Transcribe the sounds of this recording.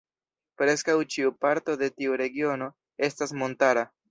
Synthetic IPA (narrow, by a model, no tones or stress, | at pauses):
pɾe̞skawt͡ʃiupaɾto̞de̞tiuɾe̞ɡio̞no̞ | e̞stasmo̞ntaɾa